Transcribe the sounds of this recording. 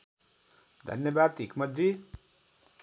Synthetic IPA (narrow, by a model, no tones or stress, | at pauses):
d̪ʱʌ̰njʌbad̪ikmʌd̪ːi